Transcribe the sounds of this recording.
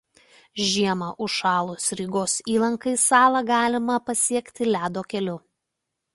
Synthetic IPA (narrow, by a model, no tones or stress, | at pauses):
ʒʲiɛmɐʔʊʃʃɑːlˠʊsɾʲiɡoːsiːlˠɐŋkɐɪsɑːlˠɐɡɑːlʲɪmɐpɐsʲiɛkt̪ʲɪlʲæːd̪oːkʲɛlʲʊ